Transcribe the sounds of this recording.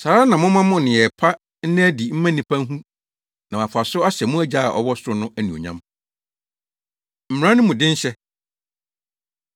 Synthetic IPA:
saː˨ɾa˦nã˨mʊ̃˦mã˦mʊ̃˦nɪ̃˨ɛ˨pʰa˦ | n̩˦nɪ̃˦æ˦di˨m̩˦mã˦nĩ˨pʰã˦ŋ˦ɦũ˦ | nã˨mã˨fʊ˨a˨sʊ˦a˦ɕɛ˨mʊ̃˦æ˦d͡ʑa˦˨ʔɔ̰˦wɔ˦sʊ˦ɾʊ˨˦nʊ̃˦ʔæ˦nũ˨o̰˨ɲã̰˦m | m̩˨m̃˨ã˦nʊ̃˦mʊ̃˨dɪ̃˦n̩˦ɕɛ˦

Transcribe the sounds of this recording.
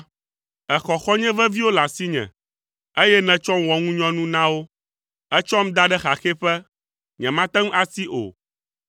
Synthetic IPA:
ɛ˨xɔ˨xɔ˦ɲɛ̃˦vɛ˦vi˦wo˦la˨si˦ɲɛ̰̃˨ | e˦jɛ˦nɛ̃˨t͡ʃɔ˦m˦wɔ˨ŋũ˦ɲɔ̃˦nũ˦nã˦wo˦ | ɛ˦t͡ʃɔ˦m˦d̪a˦ɖɛ˦xa˨xe˦ɸɛ˦ | ɲɛ̃˨mã˦t̪ɛ̃˦ŋ̩˦a˦si˦ʔo̰˨

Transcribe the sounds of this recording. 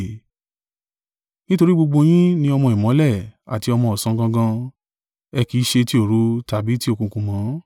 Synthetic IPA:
nĩ˦to˧ɾi˦ɡ͡bo˧ɡ͡bo˧j̃ĩ˦nĩ˧˦ɔ˧mɔ̃˧˨i˨mɔ̃˨˦lɛ˦˨a̰˨ti˧ɔ˧mɔ̃˧˨ɔ˨sã˧˦ɡã˧˦ɡã˧ | ɛ˧ki˨˦ʃe˧ti˦o˦˨ɾu˨˦ta˨bi˨˦ti˦o˧kũ˧˨kũ˧˨mɔ̃˨˦

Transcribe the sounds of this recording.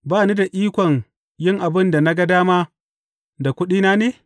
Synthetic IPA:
baː˦˨niː˦da˨ʔiː˦kʷɔ˨ŋ | jɪ˦ŋʔa˨bɪ˦nda˨na˦ɡɐ˦daː˦maː˦ | da˨kʷʊ˦ɗiː˦naː˦neː˨

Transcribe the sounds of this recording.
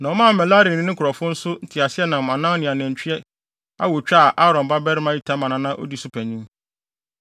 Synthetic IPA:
nã˨ɔ˦mã˦˨mɛ˨la˦ɾĩ˨ɪ̃˦ɪ̃˦kʰʊ˨ɾɔ˨fʊ̃˦n̩˦sʊ˦n̩˦tʰɪ˨a˨sɪ˦ɛ˦nã˨m˨ã˨nã˦nɪ̃˨a˨nɛ̃˨ɲ˨t͡ɕᶣʰɥɛ˦ | a̰˦wo˨t͡ɕᶣa˦˨ʔa˦ɾɔ̃˨m˨ba˦bɛ˦ɾɪ˦mã˦i˦tʰa˦mã˨nã˨˦nã˦ʔɔ̰˦di˦sʊ˦pʰæ˨ɲĩ˦m

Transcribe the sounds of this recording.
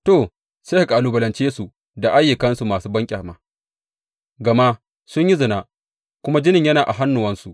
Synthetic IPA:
toː˦˨ | seː˦ha˨ka˨ʔa˨luː˨bɐ˨lɐ˨nt͡ʃeː˦su˨ | da˨ʔa˦jːɪ˨kɐ˦nsu˨maː˨suː˦bɐ˦ŋkʲʼɐ˨maː˦ | ɡɐ˨ma˦ʔ | sʊ˦ɲji˦zʊ˨na˦ʔ | kʷʊ˦ma˦d͡ʒɪ˦nɪ˨ɲjɐ˦naː˨ʔa˨ɦa˦nːʊ˨wɐ˦nsu˨ʔ

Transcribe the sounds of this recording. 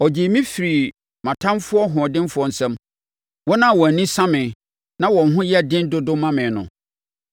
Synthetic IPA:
ɔ˨d͡ʑi˨mĩ˦fi˨ɾi˨ | mã˨tʰã˦nfʊ˦ɔ˦ɦʊ̃˨ɔ˨dɪ̃˦nfʊ˦ɔ˦n̩˨sɛ̃˦m | wɔ˦nã˦˨wɔ˨nĩ˦sã˦mɪ̃˨ | nã˦wɔ̃˨nɦʊ̃˦jɛ˦˨dɪ̃˦ndʊ˦dʊ˦mã˦mɪ̃˨nʊ̰̃˨

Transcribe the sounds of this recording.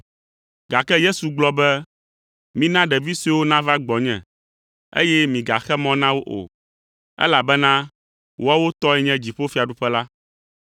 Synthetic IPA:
ɡa˨kɛ˦je˦su˨ɡ͡blɔ˦bɛ˦ | mĩ˦nã˦ɖɛ˨vi˦si˦wo˦nã˦va˦ɡ͡bɔ˨ɲɛ̰̃˨ | ḛ˦jɛ˦mĩ˨ɡa̰˨xɛ˦mɔ̃˦nã˦wo˦ʔo̰˨ | ɛ̰˦la˨bɛ˦nã˦ | wʔo˦a˦wo˦t̪ɔ˦ɛ˨ɲɛ̃˦d͡ʑi˨ɸo˦fi˦a˨ɖu˦ɸɛ˦la˦

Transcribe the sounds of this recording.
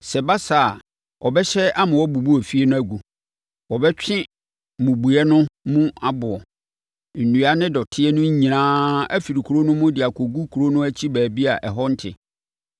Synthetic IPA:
sɛ˨ba˦sa˨ | ɔ˨bɛ˦ɕɛ˦a˦mʊ̃˨wɔ˦bu˨bu˦ɔ˨fi˦ɛ˦nʊ̃˦æ˦ɡu˨ | wɔ˨bɛ˦t͡ɕᶣɪ̃˦ | mũ˨bu˨ɛ˦nʊ̃˦mũ˦a˦bʊ˨ɔ˨ | nũ˨a˦nɪ̃˦dɔ˨tʰɪ˦ɛ˦nʊ̃˦ɲ̩˦ɲĩ˨ãː˦æ˦fi˨ɾi˨kʰu˨ɾo˦nʊ̃˦mʊ̃˦dɪ˨a˨kʰo˨ɡu˦kʰu˨ɾo˦nʊ̃˦æ˦t͡ɕʰi˦bæː˨bi˦a˨ʔɛ˨ɦɔ˦n̩˦tʰɪ̰˨

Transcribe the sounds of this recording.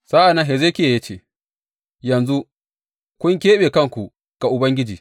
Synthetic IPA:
saː˦ʔa˨na˦ɦe˨zeː˦kʲeː˦˨ja˦t͡ʃeː˨ | jɐ˨nzu˦ | kʷʊ˦ŋk̬ʲeː˦ɓeː˨kɐ˦ŋkʷu˨ | ɡ̥a˨ʔʊ˨bɐ˦ŋɡʲɪ˦d͡ʒiː˨

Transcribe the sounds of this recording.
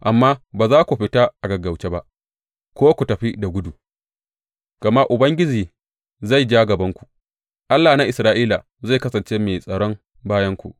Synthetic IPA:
ʔa˨mːaː˦baː˨zaː˦kʷu˨ɸɪ˦taː˦ʔa˨ɡɐ˨ɡɐ˨wt͡ʃe˦ba˦ʔ | kʷoː˦kʷu˨tɐ˨ɸi˦da˨ɡʷʊ˦du˨ | ɡ̥ɐ˨ma˦ʔʊ˨bɐ˦ŋɡʲɪ˦d͡ʒiː˨ | za˦˨jd͡ʒaː˦ɡɐ˨bɐ˦ŋkʷu̥˨ | ʔa˦lːaː˨na˦ʔɪ˨sɾaː˦ʔiː˦la˨ | za˦˨jkɐ˦sɐ˨nt͡ʃe˦meː˨sʼɐ˨ɽɔ˦n | baː˦jɐ˦ŋkʷṵ˨ʔ

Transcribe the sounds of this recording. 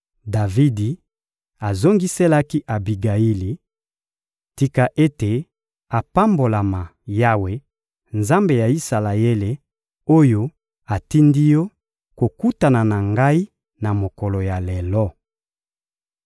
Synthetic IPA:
da˨vi˦di˨ | a˨zo˦ŋɡi˦se˦la˦ki˦ʔa˨bi˨ɡa˨ji˦li˨ | ti˨ka˨ʔe˦te˨ | a˨pa˦mbo˨la˨ma˨ja˦we˦ | nza˦mbe˨ja˨i˦sa˨la˨je˦le˨ | o˦jo˦ | a˨ti˦ndi˦jɔ˦ | ko˨ku˦ta˨na˨na˨ŋɡa˦i˦ | na˨mo˨kɔ˨lo˨ja˨le˨lɔ˦

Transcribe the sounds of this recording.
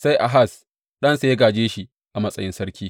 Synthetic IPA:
sa˦jʔa̰˨ɦa˦˨s | ɗɐ˦nsa˦jɐ˦ɡaː˨d͡ʒeː˦ʃi˦ | ʔa˨mɐ˦sʼɐ̰˨jɪ˦nsɐ˦ɾkʲiː˦

